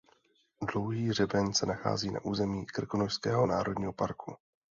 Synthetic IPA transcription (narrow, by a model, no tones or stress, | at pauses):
dlo̞wɦiːr̝ɛbɛɲsɛnaxa̰ːziːna̰ʔuːzɛmiːkr̩konoʃskɛːɦonaːɾo̞dɲiːɦo̞paɾku